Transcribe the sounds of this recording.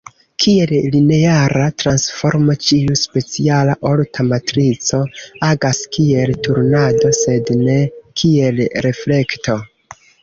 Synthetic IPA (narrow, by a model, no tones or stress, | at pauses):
kʰie̞lline̞aɾatɾansfo̞ɾmat͡ʃiuspe̞t͡sialaʔoltʰamatɾit͡so̞aɡaskie̞ltuɾnado̞se̞dne̞kʰie̞lɾe̞fle̞kto̞